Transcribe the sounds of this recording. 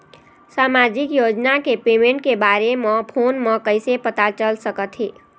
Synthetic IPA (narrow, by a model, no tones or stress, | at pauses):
samad͡ʒikjod͡ʒnakepemẽɳʈ̚kebaɾeməpʰonməkəɪsepət̪at͡ʃəlsəkət̪ʰɦi